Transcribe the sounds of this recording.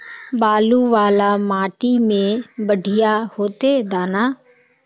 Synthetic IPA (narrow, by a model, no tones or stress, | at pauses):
baːluːʋaːlaːmaːʈiːmẽːbəɖʱɪjaːhoːt̪eːd̪aːnaː